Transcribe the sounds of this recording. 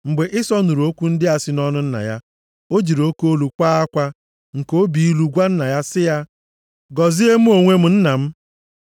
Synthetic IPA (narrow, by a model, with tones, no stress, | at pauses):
ŋ͡m̩˨ɡ͡be˨ʔɪ˦sɔ˦nu˨ɾu˨o˦kʷu˦n̩˦dɪ˦a˨sɪ˦nɔ˦nʊ˦n̩˦na̰˨ja˦ | o˦d͡ʒi˨ɾo˦ko˦lu˨kʷaː˦a˦kʷa˦ | ŋ̩˨ko˦bi˨i˦lu˨ɡʷa˦n̩˦na˨ja˦sɪ˦ja˦ | ɡɔ˨zi˦e˦m̩˦o˨ŋʷe˦m̩˨n̩˦na˨m̩˦